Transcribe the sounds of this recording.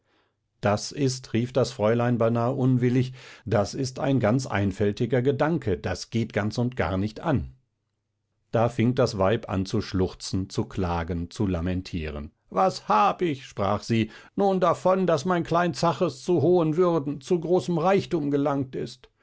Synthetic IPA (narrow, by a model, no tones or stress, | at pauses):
d̥asʔɪstʁiːfd̥asfʁ̥ɔʏlaɪnbaɪnaːəʔʊnvɪlɪçd̥asɪsta̰ɪnɡant͡sʔa̰ɪnfɛltɪɡɐɡədaŋkʰədasɡ̥eːtɡ̥ant͡sʊntɡ̥a̰ːɐnɪçtʔa̰n | d̥aːfɪŋdasv̥aɪpʔa̰nt͡suʃlʊχt͡sn̩t͡sukʰl̥aːɡənt͡sulamɛntʰḭːʁə̰n | vashaːbəɪçʃpʁ̥a̰ːχz̥iː | nuːndafɔndasmaɪnkʰl̥aɪnt͡saχəst͡suɦoːənvʏʁdn̩t͡suɡʁoːsəmʁaɪçtuːmɡəlaŋtɪst